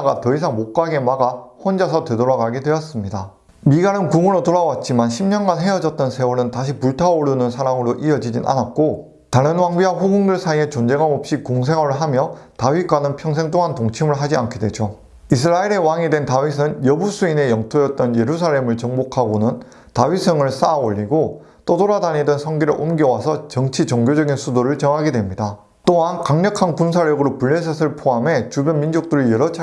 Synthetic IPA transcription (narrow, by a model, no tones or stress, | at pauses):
ɡatʌisʰaŋmok̚k͈aɡe̞maɡaɸwʌnd͡ʑasʰʌtwe̞doɾaɡaɡedwe̞ʌs͈ɯmɲida | miɡaɾɯnkuŋɯɾotoɾawat̚t͡ɕ͈imanɕʰimɲʌnɡanɦe̞ʌd͡ʑʌt̚t͈ʌnsʰe̞wuɾɯntaɕ̬ʰipuɭtʰaoɭunɯnsʰaɾaŋɯɾoʔiʌd͡ʑid͡ʑinʔa̰nat̚k͈o | taɾɯnwaŋbiwaɸuɡuŋdɯɭsʰaie̞t͡ɕond͡ʑe̞ɡamop̚ɕ͈ikoŋs̬ʰe̞ŋɦwʌɾɯɭɦamjʌtaɥik͈wanɯnpʰjʌŋs̬ʰe̞ŋt͈oŋantoŋt͡ɕʰimɯɭɦad͡ʑiankʰedwe̞d͡ʑo | is̬ʰɯɾaiɾe̞waŋidwe̞ntaɥis̬ʰɯnjʌbusʰuine̞jʌŋtʰojʌt̚t͈ʌnje̞ɾus̬ʰaɭːe̞mɯɭt͡ɕʌŋbokʰaɡonɯn | taɥisʰɯŋɯɭs͈aoʎːiɡo | t͈odoɾadaɲidɯnsʰʌŋɡiɾɯɭʔomɡjʌwasʰʌt͡ɕʌŋt͡ɕʰit͡ɕʌŋɡjod͡ʑʌɡinsʰudoɾɯɭt͡ɕʌŋɦaɡedwe̞mɲida | t͈oɦankaŋɲʌkʰanpuns̬ʰaɾjʌɡɯɾopuɭːe̞s̬ʰʌsʰɯɭpʰoɦame̞t͡ɕubjʌnmind͡ʑok̚t͈ɯɾijʌɾʌt͡ɕʰa